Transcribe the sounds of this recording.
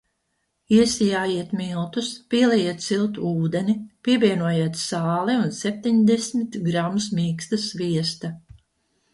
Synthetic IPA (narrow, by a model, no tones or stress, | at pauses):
iɛsijaːjiɛt̪milˠt̪uspʲiɛlɛjiɛt̪silˠt̪uuːd̪enipʲiɛvʲiɛnuɔjiɛt̪saːliunsep̚t̪ʲiɲd̪esmit̪ɡɾamusmʲiːkst̪ɐsviɛst̪a